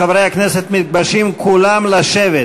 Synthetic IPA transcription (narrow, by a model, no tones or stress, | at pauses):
avʁejhakneset̪mit̪̚baʃimkʰulamlaʃeve